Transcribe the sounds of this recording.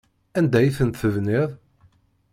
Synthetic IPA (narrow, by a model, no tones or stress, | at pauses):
ænd̪æjiθənt̪θəvniðˤ